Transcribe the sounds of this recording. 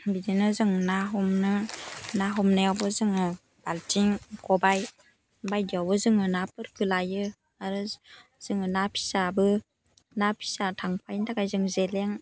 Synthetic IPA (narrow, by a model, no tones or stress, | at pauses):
bidinɯzɯŋnaɦɔmnɯnaɦɔmnajawbɔzɯŋɯ | b̥altʰiŋkɔbaj | bajdiawbɯzɯŋɯnapɯɾkɯlajɯ | aɾɯz̥ɯŋɯnapʰi̥sabɯ | napʰi̥satʰaŋpʰajntʰakajzɯŋzeleŋ